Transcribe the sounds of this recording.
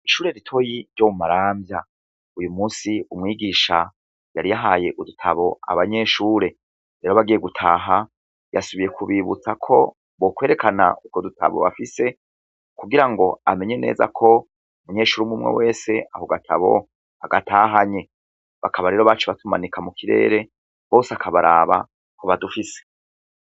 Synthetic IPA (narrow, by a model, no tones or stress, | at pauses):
iʃuːɾe̞ɾitʰo̞jiɾɟomumaɾaːmbja | ujumuːsiumŋiːɡiʃa | jaɾijaɦaːje̞ʔudutʰaβo̞a̰βaɲe̞ʃuːɾe̞ | ɾeɾoβaɡijeɡutʰaːɦa | ja̰suβije̞kʰuβiβṵt͡sakʰo̞ | βokwe̞ːɾe̞kana̰ukodutʰa̰βo̞̰βa̰fise̞ | kuɡiɾaŋɡo̞ame̞ɲe̞ne̞̰ːza̰kʰo̞ | umuɲe̞ʃuːɾimumŋḛwe̞ːse̞ʔahoɡatʰa̰βo̞̰ | aɡatʰaːɦaɲe̞ | βakʰaβaɾe̞ɾoβat͡ʃeβatuma̰nikamukʰiɾḛːɾe̞ | βo̞ːseakʰaβaɾaːβa̰ | ko̞βadufise̥